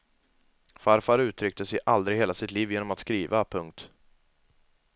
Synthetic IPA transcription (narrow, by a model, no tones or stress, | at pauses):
faɾfaɾʉ̟ːt̪ʰɾʏk̚t̪əsɛʔald̪ɾɪɡheːlasɪt̪liːvjeːnɔmat̪skɾiːvapʰɵŋk̚t̪